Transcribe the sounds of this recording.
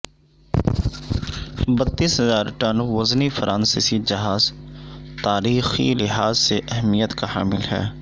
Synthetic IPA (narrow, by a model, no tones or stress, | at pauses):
bɐt̪ːiːsɦɐzaːɾʈɐnʋɐznifɐɾʔaːnsɪsid͡ʒɐɦaːzt̪aːɾiːxḭlɪɦaːzseʔɛɦmijət̪kaɦa̰ːmɪlɦɛ̰ː